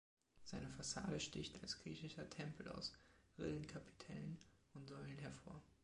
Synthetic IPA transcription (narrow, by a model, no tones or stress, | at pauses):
z̥aɪnəfasa̰ːdəʃtɪçtalsɡ̥ʁiːçɪʃɐtʰɛmpʰl̩a̰ʊsʁɪlənkʰapʰi̥tʰɛlənʊntz̥ɔʏlənɦɛɐfoːɐ